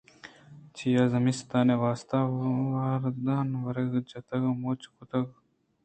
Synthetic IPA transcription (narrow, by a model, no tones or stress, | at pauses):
t͡ʃʰijaːzɐmist̪aːneʋaːst̪aʋaːɾd̪aːnʋɐɾeɡd͡ʒɐt̪ɐɡɐmoːt͡ʃu̥kut̪ɐɡ